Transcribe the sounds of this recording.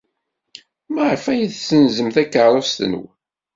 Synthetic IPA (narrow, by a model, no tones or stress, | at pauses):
məʕfæjiðsənzəmθækːəɾˤost̪nṵw